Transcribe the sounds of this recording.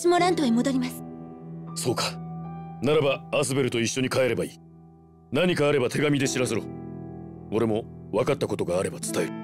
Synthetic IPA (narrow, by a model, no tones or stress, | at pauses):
simoɾãnt̪oemo̞d̪o̞ɾʲimasɨ̥ | so̞ːkḁnaɾabaːs̬ɨbe̞ɾɯ̟t̪o̞iɕːo̞ɲ̟ikae̞ɾe̞baiː | naɲ̟ikaːɾe̞bat̪e̞ɡamʲid̪e̞ɕiɾas̬eɾo | o̞ɾe̞mo̞βakat̪ːako̞t̪o̞ɡaːɾe̞bat͡sɨ̥t̪aeɾɯ̟